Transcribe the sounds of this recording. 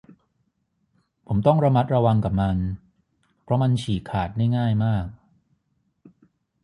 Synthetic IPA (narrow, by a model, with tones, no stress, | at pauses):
pʰo˩˦mt̪ɔ˥˩ŋɾa˧ma˦˥t̪̚ɾa˧wa˧ŋka˨˩p̚ma˧n | pʰɾɔ˦˥ma˧nt͡ɕʰiː˨˩kʰːaː˨˩t̪̚da˥˩jŋaː˥˩jmaː˥˩k̚